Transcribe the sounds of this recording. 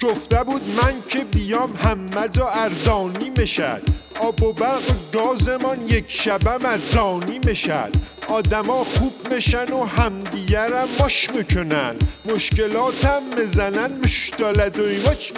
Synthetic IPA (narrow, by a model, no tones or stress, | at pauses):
ɡ̥oft̪æbuːd̪mæncʰebijɒːmhæmːæzɒːæɾzɒːniːmeʃæ̰d̪̥ɒːbobæɡɡɒːzemɒnjekʰʃæbæmæzzɒːniːmeʃæ̰d̪̥ɒːd̪æmɒːxuːb̥meʃænohæmd̪iɟæɾæmːoʃmikʰonæ̰nd̪̥moʃcelɒːt̪ʰæmːezænænmoʃd̪̥ɒlæd̪oit͡ʃ